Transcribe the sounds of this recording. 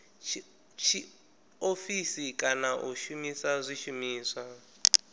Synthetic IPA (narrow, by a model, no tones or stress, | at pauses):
t͡ʃʰi | ofisikʼanaʔuʃumisazʷiʃumiːswa